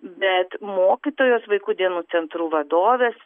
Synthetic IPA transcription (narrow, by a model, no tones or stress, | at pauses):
bʲɛt̪moːkʲiːt̪oːjoːsʋɐɪkuːd̪ʲiɛnuːt̪sʲɛnt̪ɾuːʋɐd̪oːʋʲeːs